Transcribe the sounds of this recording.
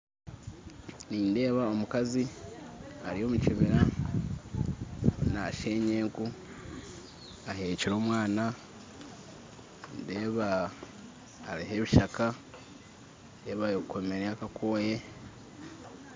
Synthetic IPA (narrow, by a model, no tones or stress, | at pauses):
niːnde̞ːβao̞mukazi | aɾijo̞ːmuciβiɾa | naʃe̞ːɲeːɡu | aɦe̞ːciɾo̞ːmwaːna | ndeːβa | ɾiɦe̞βiʃaka | nde̞ːβajokʰomeɾeakakʰo̞ːje̞